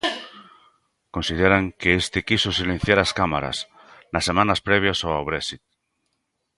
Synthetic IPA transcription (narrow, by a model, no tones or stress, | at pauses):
konsið̞eɾaŋkeest̪ɪkisosilẽn̟θjaɾaskamaɾa̰s | nasːemãnaspɾɛβ̞jasoawβɾɛsit̪̚